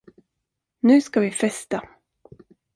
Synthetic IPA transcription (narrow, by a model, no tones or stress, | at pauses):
nʉ̟ːskavɪfɛst̪a